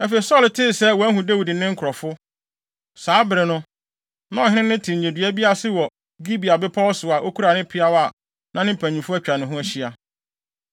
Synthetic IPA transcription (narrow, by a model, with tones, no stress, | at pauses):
æ˦fe˨i˨sɔ˦ltʰɪ˦˨sɛ˦wɔ˨æ˦hũ˨dæ˦wi˨di˨nɪ̃˦ŋ̩˦kʰʊ˨ɾɔ˨fʊ˦ | saː˨˦bɪ˨ɾɪ˨nʊ̃˦ | nã˦ɔ˨ɪ̃˦nɪ̃˦nɪ̃˦tʰɪ̃˨ɲ˨ɲe˨dɥæ˦bi˦a˦sɪ˦wɔ˨ | ɡi˦bi˨a˨bɪ˦pʰɔ˦wɔ˦sʊ˨a˨ʔo˦kʰu˦ɾa˨nɪ̃˦pʰɪ˦a˦wa˦˨ | nã˨˦nɪ̃˦pʰæ̃˨ɲĩ˨fʊ˦æ˦t͡ɕᶣa˨nɪ̃˨ɦʊ̃˦æ˦ɕi˦a˨